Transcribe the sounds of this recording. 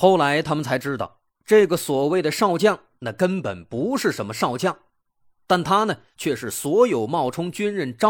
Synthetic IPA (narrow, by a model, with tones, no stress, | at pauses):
xo˥˩ʊla˧˥ɪt̪ʰa˥mə˨nt͡sʰa˧˥ɪʈ͡ʂɻ̩˥t̪ɑ̰˥˩ʊ | ʈ͡ʂɤ˥˩ɡə˩swɔ˨˩we˥˩ɪd̪ə˩ʂɑ˥˧ʊt͡ɕjɑ˥˩ŋ | na˥˩kə˥npə̰˨˩npu˧˥ʂɻ̩˥˩ʂə˧˥nmə˧ʂɑ˥˧ʊt͡ɕjɑ˥˩ŋ | t̪a˥˩nt̪ʰa˥nə˨ | t͡ɕʰɥɛ˥˧ʂɻ̩˥˩swɔ˧˥jo˨˩ʊmɑ˥˩ʊʈ͡ʂʰʊ˥ŋt͡ɕy˥nɻə˥˩nʈ͡ʂɑ˥